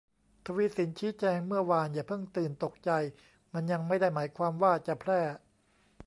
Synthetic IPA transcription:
t̪ʰa˧wiː˧˥si˩˦nt͡ɕʰiː˦˥t͡ɕɛː˧ŋmɯ˥˩ɐwaː˧njaː˨˩pʰɤ˥˩ŋt̪ɯː˨˩nt̪o˨˩k̚t͡ɕa˧j | ma˧nja˧ŋma˥˩jda˥˩jmaː˩˦jkʰwaː˧mwaː˥˩t͡ɕa˨˩pʰɾɛː˥˩

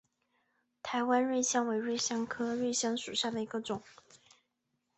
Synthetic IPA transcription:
t̪ʰa˧˥ɪwa˥nɻwe˥˧ɪɕjɑ˥˩ŋwe˧˥ɪɻwe˥˩ɪɕjɑ˥ŋkʰɤ˥ɻwe˥˩ɪɕjɑ˥ŋʂu˨˩ɕja˥˩d̪ə˩i˧˥ɡə˧ʈ͡ʂʊ˨˩˦ŋ

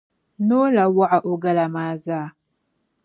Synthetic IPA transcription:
noː˦la˨wa˦ʕa˨ʔo˨ɡa˦la˨maː˦zaː˦˨

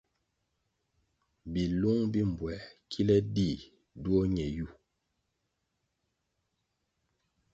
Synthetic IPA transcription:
bi˨lu˦ŋbi˦m˨bwɛ˨˦kʰi˦lɛ˦di˦˨ | du˦o˦ɲɛ˨ju˦˨

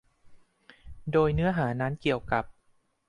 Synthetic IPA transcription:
doː˧jnɯ˦˥ɐɦaː˩˦na˦˥nki˨˩əwka˨˩p̚

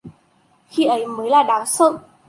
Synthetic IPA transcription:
xi˧ʔə˨˦jməː˨˦jlaː˨˩ɗaː˨˦wsə̰˧˨ʔ

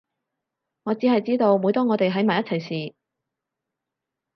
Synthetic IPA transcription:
ŋɔː˨˧t͡siː˨˥hɐ˨jt͡siː˥t̪o˧wmuː˨˧jt̪ɔː˥ŋɔː˨˧t̪e˨jɦɐ˨˥jmaː˨˩jɐ˥t͡sʰjsiː˨˩

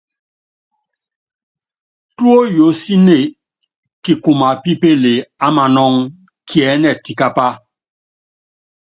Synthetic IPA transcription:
tu˦o˦jo˨˦si˦ne˦˨ | ki˨ku˨ma˨pi˦pe˦le˨a˦ma˨nɔ˦ŋ | kʰi˨ɛ˨˦nɛ˨ti˨ka˦pa˦

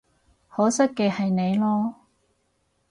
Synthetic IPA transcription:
hɔː˨˥sɐ˥kkːɛː˧hɐ˨jne˨˧jlɔː˥

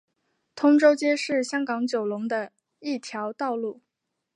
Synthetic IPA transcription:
t̪ʰʊ˥ŋʈ͡ʂo˥ʊt͡ɕjɛ˥ʂɻ̩˥˩ɕjɑ˥ŋkɑ˧˥ŋt͡ɕjo˨˩ʊlʊ˧˥ŋd̪ə˧ | i˥˩t̪ʰjɑ˧˥ʊt̪ɑ˥˧ʊlu˥˩

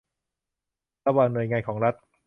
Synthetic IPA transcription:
a˧baː˧nːu˧əjŋaː˧nkʰɔː˩˦ŋɾa˦˥t̪̚

